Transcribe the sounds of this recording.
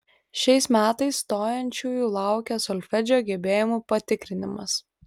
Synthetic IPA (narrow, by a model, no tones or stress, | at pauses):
ʃʲɛɪsmʲæːt̪ɐɪsːt̪oːjɛnʲt͡ʃʲuːjuːlˠɑˑʊkʲɛsɔlʲfʲɛd͡ʒʲoːɡʲɛbʲeːjɪmuːpɐt̪ʲɪkɾʲɪnʲɪmɐ̰s